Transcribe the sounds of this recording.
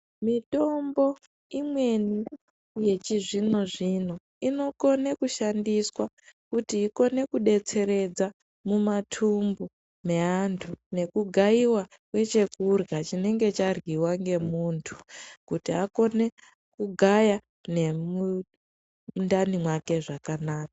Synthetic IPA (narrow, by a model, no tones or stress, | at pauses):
mito̞mbo̞ | imwe̞ni | je̞t͡ʃiʐino̞ʐino̞ | ino̞ko̞ne̞kuʃandiswa | kutiːko̞ne̞kuɗe̞t͡se̞ɾe̞d͡za | mumatʰumbu | me̞antʰune̞kuɡʱaiwa | kwe̞t͡ʃe̞kurɣat͡ʃine̞ŋɡe̞t͡ʃarɣiwaŋɡe̞muːntʰu̥kutiako̞ne̞ | kuɡʱaja | ne̞mu | ndanimwake̞ʐakanaːka